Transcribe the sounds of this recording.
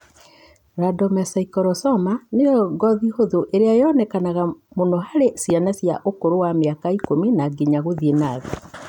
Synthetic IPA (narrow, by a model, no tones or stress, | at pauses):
ɾadɔmɛsaikɔɾɔsɔmaneɔɡɔðihoðoʔeɾeajɔnɛkanaɣamonɔɦaɾesianasja̰ʔokoɾowameakaikominaɡeɲaɣoðienaði